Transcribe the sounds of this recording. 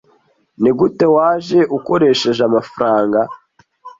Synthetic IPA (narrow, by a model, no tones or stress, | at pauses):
niɡute̞waːʒe̞ʔuko̞ɾe̞ʃe̞ʒamafɾaːŋɡa